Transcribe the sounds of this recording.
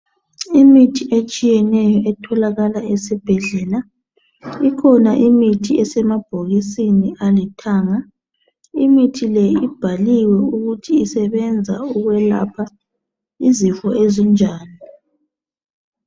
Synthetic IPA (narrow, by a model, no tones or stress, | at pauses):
imitʰiʔet͡ʃʼijɛnɛjɔʔɛtʰɔlaɣalaɛsib̥ʱɛɮɛla | ikʰɔnaʔimitʰiʔɛsɛmab̥ʱoɣisiniʔalitʰaːŋa | imitʰilɛib̥ʱaliwɛuɣutʰiːsɛβɛnd͡zʱa̰uɣwɛla̰pʰa | izifɔezɔnd͡ʒʱaːni